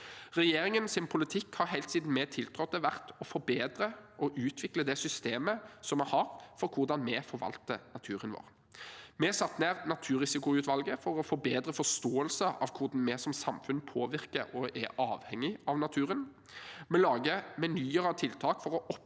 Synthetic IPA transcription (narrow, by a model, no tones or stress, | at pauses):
ʁɛjeːɾɪŋənsɪnpʰʊlɪt̪ʰɪkhɑɾɦɛɪlt̪siːd̪n̩mɛt̪ʰɪlt̪ʰʁɔt̪ːɛʋæʁt̪ɔfɔɾbeːd̪ɾəʔɔʔʉːt̪ʰʋɪkləd̪ɛsʏst̪eːməsɔmːɛhɑʁfɔɾkʰʊʁd̪ɑnmɛfɔɾʋɑ̰lt̪ənɑt̪ʰʉːʁənʋo̰ːʁ | mɛsɑt̪ːneːʁnɑt̪ʰʉːʁɪsɪkʊʉːt̪ʋɑlɡəfɔɾɔfɔbeːd̪ɾəfɔʁst̪oːəlsəʔɑ̰ʋkʰʊʁd̪n̩mɛsɔmsɑmfʉnpʰoːʋɪʁkəɔʔɛʔɑːʋhɛŋːɪɑʋnɑt̪ʰʉːɾən | mɛlɑːɡəmɛnyːəʁɑt̪ʰɪlt̪ʰɑːkfɔʁɔʔɔp